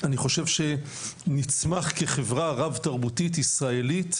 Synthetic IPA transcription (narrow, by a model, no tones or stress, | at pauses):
aniχo̞ʃevʃe̞ | nit͡smaχkeχevʁaʁavtaʁbutitisʁae̞lit